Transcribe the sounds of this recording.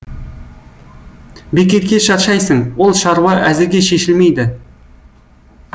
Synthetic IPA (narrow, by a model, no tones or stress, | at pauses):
bekʲe̞t̪kʲe̞ʃɑt̪ʃɑjsəɴwo̞lˠʃɑɾwɑʔæzɪɾɡʲeʃe̞ʃɪlme̞jd̪ɪ